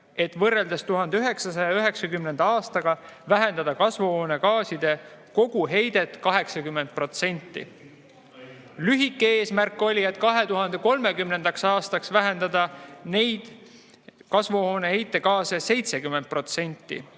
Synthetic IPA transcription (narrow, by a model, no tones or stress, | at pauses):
e̞t̪vɤrːe̞ld̪est̪uɦɑnd̪eyɦe̞ksɑs̬ɑjɑyɦe̞ksɑkymnend̪̥ɑɑːst̪ɑɡ̥ɑvæɦe̞nd̪̥ɑd̪̥ɑkɑsvuhoːne̞kɑːsid̪̥e̞ko̞ɡ̥uɦe̞jd̪̥e̞t̪ːˑkɑɦe̞ksɑkymːend̪̚pro̞t̪se̞nʲt̪ːḭ | lyɦikːeeːsmærkːˑo̞lʲie̞t̪ːˑkɑɦe̞t̪uɦɑnd̪̥e̞ko̞lme̞kymne̞nd̪̥ɑksɑːst̪ɑksvæɦe̞nd̪ɑd̪ɑne̞jd̪̥ | kɑsvuhoːne̞he̞jt̪ːˑe̞kɑːsese̞jt̪se̞kymːend̪̚pro̞t̪se̞nʲt̪ːˑḭ